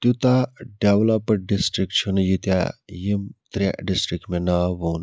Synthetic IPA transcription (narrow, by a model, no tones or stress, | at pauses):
t̪ut̪aɖeʋlɐpəɖ̚ɖisʈɾik̚t͡ʃʰunjut̪ja̰jimt̪ɾa̰ɖisʈɾik̚ʈmenɐʋoːn